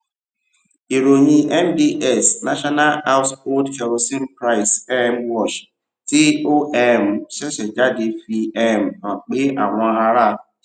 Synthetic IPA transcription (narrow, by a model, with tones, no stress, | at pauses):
i˨ɾo˨ɲi˦ʔɛ˦m˦di˦ʔɛ˨sna˦ʃɔ˦na˦la˦ʊ˦so˦dke˨ɾo˨˦si˦m˦pɾa˦˨ɪ˨sɛ˦m̩˦wɔ˦˨t͡ʃ | ti˦o˦ʔɛ˦m̩˨se˦ʃe˨d͡ʒa˦dɪ˨fi˦ɛ˦m̩˨nɔ˨k͡pɪ˦ʔa˨ŋʷɔ˦ɦa˦ɾa˦